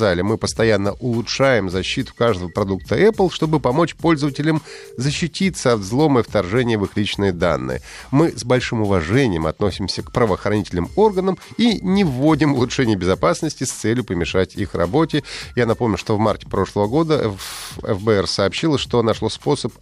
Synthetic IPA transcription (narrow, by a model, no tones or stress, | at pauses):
alʲɪmɨpəst̪ɐjanːəʔʊlˠʊtʂajɪmzɐɕːit̪ʊ̥kaʐd̪əvəpɾɐd̪uk̚t̪ʰəɛplˠʂt̪o̞bɨpɐmo̞t͡ɕpolʲzəvətʲɪlʲəm | zəɕːɪtʲit̪səɐt̪zlˠo̞məift̪ɐrʐɛnʲɪjəvɨxlʲit͡ɕnɨjəd̪a̰nːɨ̰jə̰ | mɨzbɐlʲʂɨmʊvɐʐɛnʲɪjəmɐ̰t̪no̞sʲɪmsʲəkpɾəvəːxɾɐnʲitʲɪlʲnɨmo̞rɡənəminʲɪvːodʲɪmʊlˠʊtʂɛnʲɪjəbʲɪzɐpasnəsʲtʲɪst̪sɛlʲjʊpəmʲɪʂatʲḭxrɐ̰bo̞tʲɪjanɐpo̞mnʲʊʂt̪ovmartʲɪ̥pɾo̞ʂlˠəvəɡo̞d̪ə | ɛ̰fbəɛrsɐːpɕːilˠəʂt̪o̞nɐʂlˠospo̞səp